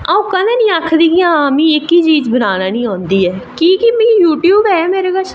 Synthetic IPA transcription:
aũkəneːnĩːaːkʰd̪iːkiãːmĩːɪkːiːt͡ʃiːd͡ʒbənaːnaːnĩːɦõːnd̪iːɛːkiːkimĩːjuːʈjuːbɦɛːmeːɾeːɡət͡ʃʰ

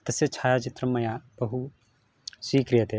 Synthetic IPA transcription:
t̪ɐset͡ʃʰaːjad͡ʒit̪ɾɐmɐjabɐɦu | swiːkɾijət̪e

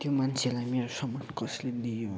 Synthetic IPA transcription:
t̪jomant͡sʰelajmeɾosʌmʌnkʌsled̪ijo

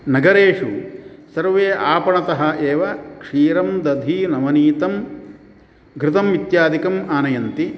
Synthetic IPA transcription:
nɐɡɐɾeːʂu | sɐɾʋeːʔaːpɐɳɐt̪ɐɦɐ̆ʔeːʋɐkʂiːɾɐmd̪ɐd̪ʱinɐmɐniːt̪ɐm | ɡʱɾɪt̪ɐmʋit̪jaːd̪ikɐmaːnɐjɐnt̪i

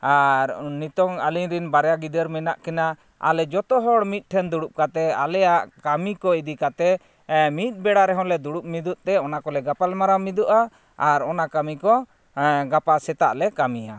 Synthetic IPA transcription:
aɾnit̪ɔŋaliɲɾinbaɾjaɡid̪əɾmɛnaʔkɛna | a̰lɛd͡ʒɔt̪ɔɦɔɽmit̪̚ˀʈʰɛnd̪uɽup̚kat̪ɛa̰lɛjaʔkamikɔid̪ikat̪ɛ | mit̪̚ˀbɛɽaɾɛɦɔ̃lɛd̪uɽup̚mid̪uʔ̚t̪ɛɔnakɔlɛɡapalmaɾamid̪uʔaː | ɾɔnakamikɔ | ɡapasɛt̪aʔlɛkamija̰

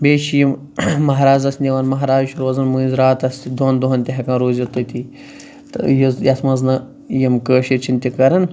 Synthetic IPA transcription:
bʲeːʃijim | mɐɦɾaːzɐsʲnʲd̪ʲiʋaːnmɐɦɾaːzʃʰuɾoːzɐnmɨːnʲzʲɾaːt̪ɐsʲt̪id̪ond̪uɦɐnt̪ʲiɦɐkɐnɾoːzʲɐt̪ɨt̪i | t̪ɨjizjɐsmɐznɨ | jimkəːʃiɾt͡ʃʰint̪ʲikɐɾɐn

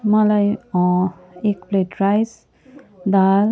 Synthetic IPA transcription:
mʌlaj | ekpleʈɾajs | d̪al

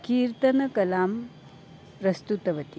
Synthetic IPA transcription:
kiːɾt̪ɐnɐkɐlaːm | ɾɐst̪ut̪ɐʋɐt̪i

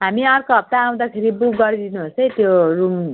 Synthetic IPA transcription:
ɦamiʌrkoɦʌp̚t̪aːw̃d̪akʰeɾibukɡʌɾid̪inuɦot͡sʌjt̪jorum

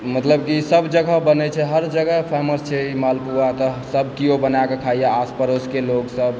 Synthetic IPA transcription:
mət̪ləbkisəbd͡ʒəɡəbənɛt͡ʃʰɛɦəɾd͡ʒəɡəɦpʰeməst͡ʃʰɛimalpuat̪ɔsəb̚kijobənakekʰaijaaspəɾoskeloksəb

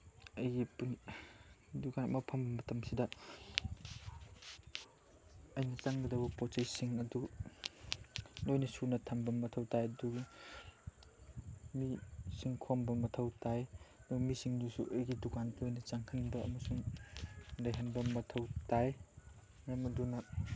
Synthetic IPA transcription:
ɐjɡipun | dukanɐ̰mɐpʰɐmbɐmɐtɐmsidɐ | ɐjnɐt͡ʃaŋɡɐdɐwbɐpot͡ʃɐjsiŋɐdu | lojnɐsunɐtʰɐmbɐmɐtʰɐwtajɐduɡi | misiŋkʰombɐmɐtʰɐwtʰajduɡmisiŋdusṵʔejɡidukanlojnɐt͡ʃaŋkʰɐnbɐʔɐ̰mɐsuŋ | lɐjɦɐnbɐmɐtʰɐwtaj | namɐdunɐ

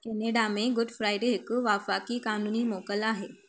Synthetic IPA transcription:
keneɖameɡʊɖfɾajɖeɦɪkʋafakiːkanuniːmokəlaɦe

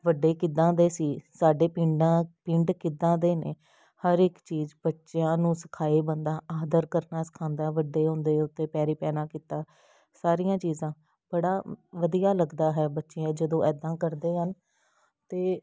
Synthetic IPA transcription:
ʋəɖːeːkɪd̪ãːd̪eːsiːsaːɖeːpɪ̃ɳɖãːpɪ̃ɳɖkɪd̪ãːd̪eːnḛː | həɾɪkt͡ʃiːzbətːʃjãːnũːsə̥kʰaːeːbə̃nd̪aːaːd̪əɾkəɾnaːsə̥kʰãːnd̪aːʋəɖeːɦõːnd̪eːʊt̪ːeːpɛːɾiːpɛːnaːkiːt̪aː | saːɾijãːt͡ʃiːzãː | b̥əɽaːʋəd̪ijaːləɡd̪aːɦɛːbətːʃeãd͡ʒəd̪õːʔɛːd̪ãːkəɾd̪eːɦən | t̪eː

